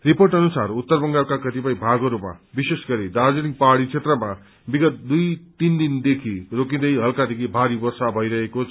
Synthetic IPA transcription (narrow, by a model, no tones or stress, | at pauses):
riporʈʌnusarut̪ːʌrbʌŋɡalkakʌt̪ipajbʱaɡʌɾuma̰bisesɡʌɾid̪ad͡ziɾiŋpaɽit͡sʰet̪rʌma | biɡʌt̪̚d̪ujt̪ind̪ind̪ekʰirok̬ĩd̪ʌjɦʌlkad̪ekʰibʱaɾibʌrsabʱʌjɾʌɦekot͡sʰ